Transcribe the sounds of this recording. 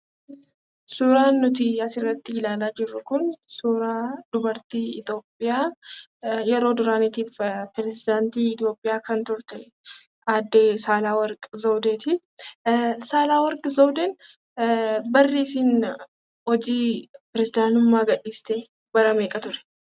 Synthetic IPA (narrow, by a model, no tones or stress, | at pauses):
suːɾaːnːʊt̪̬ɪɐsɪrːɐt̪ːɪɪlaːlaːd͡ʒɪrːʊkʊnsuːɾaːd̪̥ʊbɐɾt̪iːɪt̪o̞ːpʼːɪjaː | jɛɾo̞ːd̪ʊɾaːnɪt̪iːfpɾɛzɪd̪aːnt̪iːɪt̪jo̞ːpʼːɪjaːkɐnt̪ʊɾt̪ɛ | aːd̪ːeːsaːlaːwɐɾkʼzoːd̪eːt̪ɪ | saːlaːwɐɾkʼzoːd̪ɛn | bɐrːiːsiːn | hɔd͡ʒiːpɾɛzɪd̪aːnʊmːaːɡɐᶑiːst̪eː | bɐɾɐmeːkʼɐt̪ʊɾɛ̥